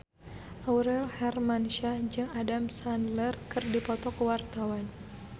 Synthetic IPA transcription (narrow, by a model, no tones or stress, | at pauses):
ʔawɾɛlhɛrmanʃad͡ʒɨŋadamsanlərkɨrdipɔt̪ɔkəwart̪awan